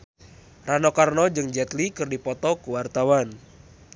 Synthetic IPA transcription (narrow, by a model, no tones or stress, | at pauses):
ranɔkarnɔd͡ʒɨŋd͡ʒɛt̪likɨrdipɔt̪ɔkuwart̪awan